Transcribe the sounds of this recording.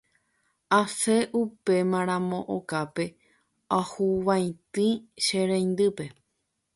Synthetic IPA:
ase̞ʔupe̞mãɾ̃ãmõ̞ʔokape̞ | ahuʋaj̃t̪ɨ̃ʃẽɾẽjnd̪ɨpe̞

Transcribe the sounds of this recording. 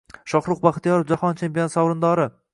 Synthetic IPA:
ʃɒχɾʊqbaχt̪jɒɾɪfd͡ʒahɒnt͡ʃʰempʲiont̪sawɾɨnd̪ɒɾɪ

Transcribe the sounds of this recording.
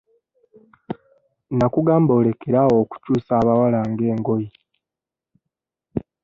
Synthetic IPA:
nakuɡaːmbo̞ːle̞keɾawoːku̥cuːsaːβawalaːŋɡe̞ːŋɡo̞ji

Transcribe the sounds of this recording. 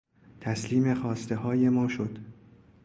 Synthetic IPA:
t̪ʰæsliːme̞xɒːst̪e̞ɦɒːje̞mɒːʃod̪̥

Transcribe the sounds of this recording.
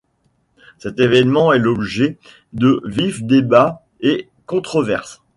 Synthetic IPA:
sɛt̪evɛnmɑ̃ɛlɔbʒɛ | d̪əvifd̪eba | e | kɔ̃t̪χɔvɛʁs

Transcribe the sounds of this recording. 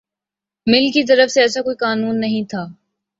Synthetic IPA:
mɪlkit̪̬ɐɾəfseɛːs̬akoːikaːnuːnːɐɦĩt̪ʰaː

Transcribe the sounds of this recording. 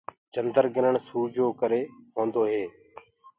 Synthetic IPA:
d͡ʒənd̪əɾɡɪɾəɳsuːd͡ʒoːkəɾeːɦõːnd̪oːɦeː

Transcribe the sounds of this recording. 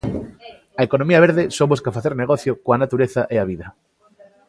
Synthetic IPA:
ɐekonõmiɐβeɾðesõboskɐfaθeɾneɣɔθjokoanat̪uɾeθɐʔeaβiðɐ

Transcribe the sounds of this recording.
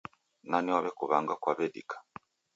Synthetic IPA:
naniwaβɛkuβaŋɡakwaβɛdḭkḁ

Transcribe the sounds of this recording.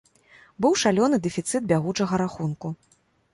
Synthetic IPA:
bɨwʂalʲɔnɨd̪ɛfʲit̪sɨt̪̚bʲaɣut͡ʂɐɣɐɾaxunku

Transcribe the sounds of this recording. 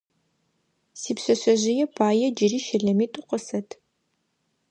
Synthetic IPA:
siːpɕɐɕɐʑɪjɛpʰaːjɛd͡ʒɪriːʃɪɮɐmiːtʼʊqʷəsɐtʰ

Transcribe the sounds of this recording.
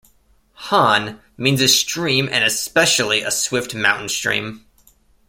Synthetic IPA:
hɑ̃n | mĩnzɨstɹ̥ĩmʔɨ̰̃nɨspɛʃl̩ˠiʔəswɪft̚mã̰ʊ̃ʔn̩stɹ̥ḭ̃m

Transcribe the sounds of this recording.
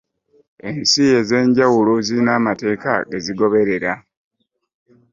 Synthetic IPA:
e̞nsije̞ze̞ːɲɟawuloziinaːmate̞ːka̰ɡeziɡo̞βe̞ɾe̞ɾa

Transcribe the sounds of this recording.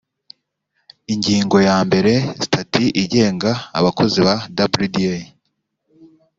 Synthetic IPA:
iɲɟiːŋɡo̞jaːmbe̞ɾe̞zitʰatʰiʔiɟe̞ːŋɡa̰ːβakʰo̞ziβadabɾudie

